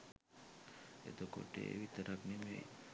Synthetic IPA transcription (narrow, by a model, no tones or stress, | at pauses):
ḛt̪oko̰ʈḛḛʋit̪əɾaknimḛ̃